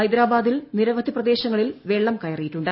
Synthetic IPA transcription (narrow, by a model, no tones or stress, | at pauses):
ɐjd̪ɾaːbaːd̪ilniɾɐʋɐd̪ʱiprɐd̪e̞ːɕɐŋːɐɭilʋe̞ːɭːɐmkɐjɐrijiʈːuɳɖɨ